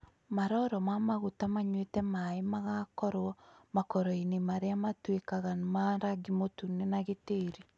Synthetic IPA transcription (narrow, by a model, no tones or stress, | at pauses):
maɾɔɾɔmamaɣutamaɲwetɛmaemaɣakɔɾwɔmakɔɾɔinemaɾeamatwekaɣanmaɾaɡimotunenaɣeteːɾi